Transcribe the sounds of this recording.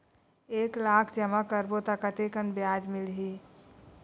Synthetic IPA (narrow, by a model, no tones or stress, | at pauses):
eːklaːkʰd͡ʒəmakəɾbot̪akət̪ekənbjaːd͡ʒmɪlɦiː